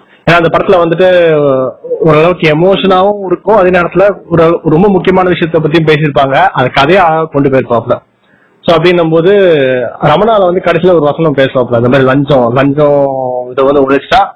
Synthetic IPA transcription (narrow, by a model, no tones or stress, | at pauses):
eːnːaːɪnd̪ɐpɐɽɐt̪ːɪlɐʋɐnd̪ɯʈ̬ːɯ | ɔɾɯɐɭɐʋɯkːɯɛmoːʂɐnaːʋʊ̃ɪɾɯkːʊ̃ɐðeːneːɽɐt̪ːɪlɐɔɾɔɾɯɾɔmbɐmʊkːɪjɐmaːnɐʋɪʂɐɪjɐt̪ːɐp̬ːɐt̪ːijʊ̃peːs̬ɪɾɯpːaːŋɡɐʔɐðɐkːɐðɐjaːkɔɳɖɯpeːɾɯpːaːplɐ | soːɐp̬ːɐɽɪnːɐmboːðɯ | ɾɐmɐnaːlɐʋɐnd̪ɯkɐɽɐsɪilɐɔɾɯʋɐsɐnɐ̃mpeːsɯlɐ̃ːpːɭɐ̃nd̪ɐmaːd̪ɾilɐɲd͡ʒɔ̃lɐɲd͡ʒɔ̃ɪðɐʋɐnd̪ɯʊɭɐt͡ʃːɯ̥ʈːaː